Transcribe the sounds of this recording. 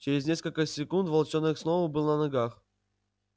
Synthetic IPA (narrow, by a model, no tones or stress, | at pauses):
t͡ɕɪɾʲɪzʲnʲe̞skəlʲkəsʲɪkunt̪vɐlˠt͡ɕonːɨxsnˠovəbɨlˠnənɐɡax